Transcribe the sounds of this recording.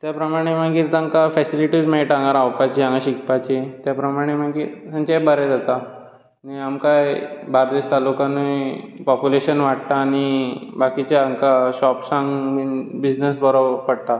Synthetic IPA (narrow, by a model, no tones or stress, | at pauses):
t̪japɾəmaɽ̃em̤əɡiːɾt̪ãŋkafɛsiliʈid͡zmeiʈãŋɡaɾawpat͡ɕiãŋɡaɕik̚pat͡ɕet̪japɾəmaɽ̃em̤əɡiːɾt̪ãnt͡ɕabəɾɛd͡zat̪a | niamkajbaɾd̪est̪alukãnipɔpuleɕənʋaʈt̪aːɽ̃ibakit͡ɕaaŋkaɕɔpsãŋɡbid͡ʑnəsbəɾopəɽt̪a